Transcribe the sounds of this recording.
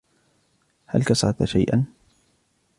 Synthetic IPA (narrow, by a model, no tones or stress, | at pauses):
ha̰lkasɑt̪aʃajʔa̰n